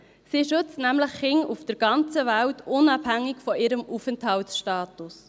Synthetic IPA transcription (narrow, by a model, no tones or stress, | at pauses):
siːʃɵt͡stnæmləχːɪŋufd̥əɾɡ̥ɑnt͡səvæwtʰʊnɑb̥hæŋːɪkfɔʔɪɾəmufəntʰhɑwsʃtɑːtus